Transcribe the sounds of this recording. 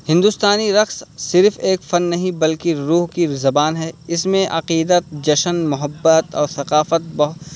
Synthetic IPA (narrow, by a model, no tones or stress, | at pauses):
hɪ̃nd̪ust̪aːniɾɐxssɪɾfeːkfɐnːɐɦĩbɐlkiɾuːɦkizɐbaːnɦɛːɪsmẽʔɐqiːd̪ət̪̚d͡ʒɐʃənmʊɦəbːət̪ɔ̰ːɾsɐqaːfət̪̚bɐɦʊ